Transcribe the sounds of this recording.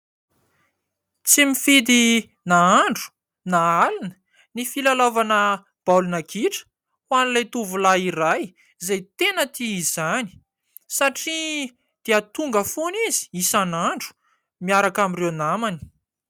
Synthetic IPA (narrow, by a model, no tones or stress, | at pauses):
t͡simifid̪i | naaɳɖ͡ʐu̥ | naalinə̥ | nifilalavanə | b̥alunakʰiʈ͡ʂə̥ | wanlajt̪uvulaiɾaj | zajt̪enət̪iizani̥ | saʈ͡ʂi | d̪̥eat̪uŋɡəfunizi̥isanaɳɖ͡ʐu̥ | miaɾakamirewnamani̥